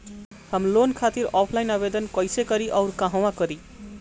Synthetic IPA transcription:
hamlonkʰat̪iɾʌpʰlajnʌbed̪ʌnkʌjsekʌɾiʔʌwɾkaɦʌw̃akʌɾi

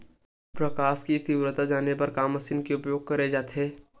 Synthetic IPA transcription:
pɾɐkaːskit̪iwɾət̪ad͡ʒaːnepɐɾkaːmɐsinkeʊpjoːɡ̚kɐɾed͡ʒaːt̪eː

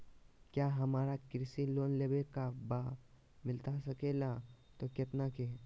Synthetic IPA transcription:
kjaːɦɐmaːɾakɾɪsiloːnleːbekaba | mɪlt̪asɐkelat̪okɪt̪nake

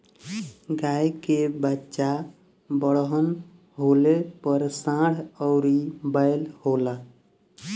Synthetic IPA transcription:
ɡajkebətːʃa | bəɽɦən | ɦolepəɾsãɽ̤əʊɾibəjlholə

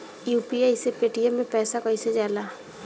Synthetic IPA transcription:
juːpiaisepeːʈijãmːẽpɛːsakəɦĩsed͡ʒaːlaː

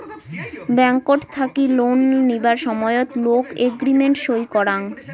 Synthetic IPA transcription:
bɛŋkoʈt̪ʰakilonːibaɾʃɔmɔeot̪lokeɡɾimeɳʈʃojkɔɾaŋ

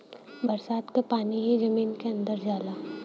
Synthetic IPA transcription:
bɐɾsaːt̪kapaːniɦid͡ʒɐmiːnkeɐ̃nd̪əɾd͡ʒaːlaː

